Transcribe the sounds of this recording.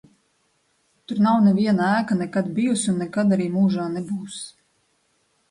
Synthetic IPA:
t̪uɾnawnɛvʲiɛnaæːkanɛkad̪̚bijusunːɛkad̪aɾiːmuːʒaːnebuːs

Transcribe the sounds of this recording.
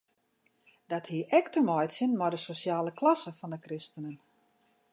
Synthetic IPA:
dɔthiəʔɛktəmɔjtsɪnmɔdəsosjaːləklasəfɔndəkrɪstənən

